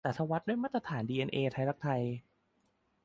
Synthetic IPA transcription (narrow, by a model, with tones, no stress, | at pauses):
sa˨˩t̪ʰa˧wa˦˥t̪̚du˥˩jmaː˥˩t̪ɾa˧t̪ʰaː˩˦ndiː˧ʔeː˧nʔeː˧t̪ʰa˧jɾa˦˥k̚t̪ʰa˧j